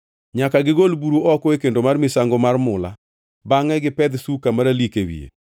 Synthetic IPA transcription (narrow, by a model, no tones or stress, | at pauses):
ɲakaɡɪɡolbuɾuʔɔkɔekendomarmɪsaŋɡɔmarmʊla̰ | baŋɛɡɪpɛd̪sukamaɾalikewḭḛ